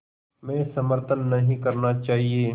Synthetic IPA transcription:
mɛ̃ːsɐməɾt̪ənːɐɦĩkɐɾnat͡ʃaːɦieː

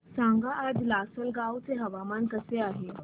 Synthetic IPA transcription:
sãŋɡaʔad͡zlasəlɡawt͡seɦəʋamankəseaɦe

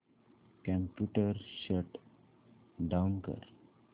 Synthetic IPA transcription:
kãmpjuʈəɾʃəʈ | ɖaunkə̰ɾ

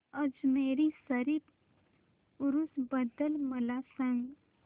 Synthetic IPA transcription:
əd͡ʒmeːɾisəɾip | ʊɾusbəd̪əlmɐlasə̃ŋɡ

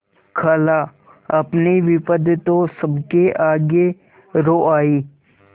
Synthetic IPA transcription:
kʰəla | ɐpniʋɪpəd̪t̪õsəbkeʔaːɡe | ɾoːʔaːiː

